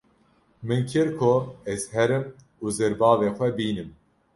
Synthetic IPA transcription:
mɨnkʰɨɾkʰʊɛzhɛɾɨm | uzɛɾbɑːveːxʷɛbiːnɨm

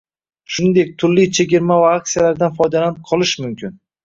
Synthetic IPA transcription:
ʃʊnɪnd̪e̞k̚ʲt̪ʰʊɾlːijt͡ʃʰeɡʲɪɾmavaak̚ʲsijalaɾd̪anfɒjd̪alanɪqʰɒlˠɪʃmʊmkʲɪn

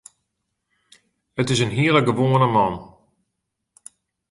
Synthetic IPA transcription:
ətɪs̬ənɦiələɡəʋoːənəmɑn

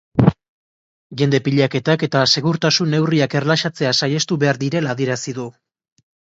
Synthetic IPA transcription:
ʝe̞nd̪e̞piʎake̞t̪ake̞t̪ase̞ɣuɾt̪asune̞wriake̞rlaʃat͡se̞asajest̪uβe̞aɾd̪iɾe̞laðieɾasiðu

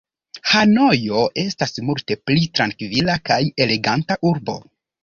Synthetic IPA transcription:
hano̞jo̞ʔe̞stasmulte̞plitɾankvilakaje̞le̞ɡantaʔuɾbo̞̰

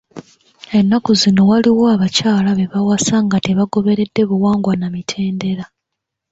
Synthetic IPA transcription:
e̞nːakuzino̞waliwo̞aβacaːlaβe̞βawasaŋɡateβaɡo̞βe̞ɾe̞dːe̞βuwaːŋɡwanamitʰe̞ːnde̞ɾa

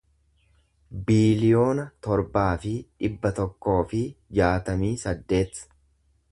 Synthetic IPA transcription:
biːlɪjo̞ːnɐt̪ɔɾbaːfɪᶑɪbːɐt̪ɔkːo̞ːfɪd͡ʒaːt̪ɐmiːsɐd̪ːe̞ːt̪

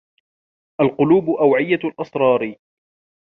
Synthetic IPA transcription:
ʔalqʊluːbʊʔawʕɪjːalʔɑsɾˤɑːɾ

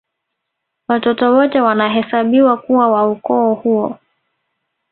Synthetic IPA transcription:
watɔtɔwɔtɛwanaɦɛsaɓiwakuwawaukɔːhuɔ̰

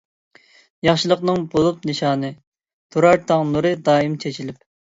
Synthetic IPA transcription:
jɑχʃɨlˠəqnɨŋbolˠup̚nɨʃɑːnɨ | t̪ʰoɾɑɾt̪ʰɑŋnuɾɨd̪ɑːimt͡ʃʰet͡ʃʰilɪp̚

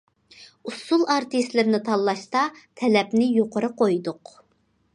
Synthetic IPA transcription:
usulˠɑɾt̪ɨst̪lɪɾnɪt̪ʰɑlˠːɑʃt̪ɑt̪ʰɛlɛpnɪjoqʰəɾɨqojd̪ʊq

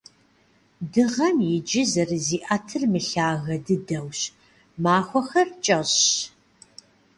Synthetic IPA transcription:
dɨʁɐmjɪd͡ʒɪzɐrziːʔɐtʰɨrmɨɬaːɣɐdɨdɐwɕ | maːxʷɔxɐrt͡ʃʼɐɕ

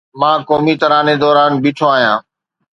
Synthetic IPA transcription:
mãːkɔːmit̪əɾaːned̪ɔːɾaːnbiːʈʰoaːɦijãː

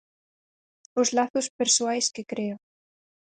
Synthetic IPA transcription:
ozlaθuspeɾswajskekɾeo

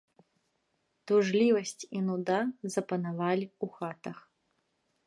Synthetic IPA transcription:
t̪uʐlʲivɐsʲt͡sʲinud̪azɐpɐnavalʲiuxat̪ɐx

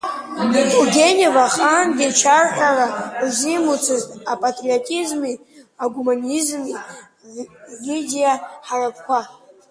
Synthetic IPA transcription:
uɡʲe̞nevaχanɡʲit͡ʃʰarħʼarauzʷimut͡sʰɨztʼapʼatʼriotʼizmi | aɡumanizmi | vidʲijaħarap̚ʰkʷʰa

